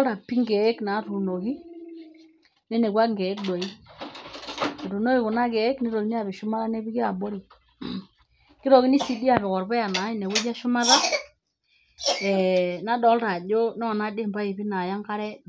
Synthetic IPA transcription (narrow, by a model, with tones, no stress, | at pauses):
lɾa˨pi˦ŋɡɛ˨˦kna˨˦tu˨no˨ki˦ | nɛ˦ne˨kwa˦ŋɡɛ˨ɛ˦k̚dɔ˨i˦ | i˨ɾu˨no˦ki˨kʊ˨na˦kɛ˨˦knɛ˦ɾɔ˨ki˦ni˦a˨βi˨ʃʊ˦ma˦ða˦nɛ˦bi˦ki˦a˨bo˦ɾi˨ | kɪ˦ɾɔ˨ki˦ni˦si˦di˦a˨βɛ˨kɔ˨ɾbɛ˦a˨na˨˦i˦˨nɛ˨we˦d͡ʒa˦ʃʊ˦ma˦ða˦ | ɛ˨na˦dɔ˨˦lɾa˨d͡ʒo˦nɔ˦˨na˦de˦mba˦i˨bi˦na˨ja˦ŋka˦ɾɛ˦